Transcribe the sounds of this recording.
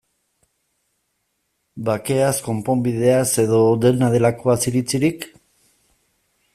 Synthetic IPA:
bake̞asko̞mpo̞mbiðe̞ase̞ðo̞d̪e̞nað̞e̞lako̞asiɾit͡siɾik

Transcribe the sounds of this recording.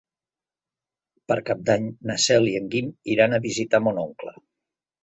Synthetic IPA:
pəɾkap̚d̪aɲnəsɛliəŋɡimiɾanəβizit̪amonoŋklə̰

